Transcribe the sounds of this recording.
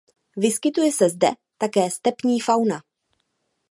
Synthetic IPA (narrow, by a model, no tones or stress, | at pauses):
vɪskɪt̪ujɛsɛzdɛ̰ | t̪akɛːst̪ɛpɲiːfawna